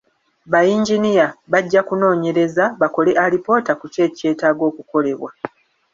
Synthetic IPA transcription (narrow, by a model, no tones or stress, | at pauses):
βajiːɲɟinijaβaɟːakuno̞ːɲe̞ɾe̞zaβako̞leʔalipo̞ːtakuce̞ːce̞ːtaɡo̞ːkuko̞le̞βwa̰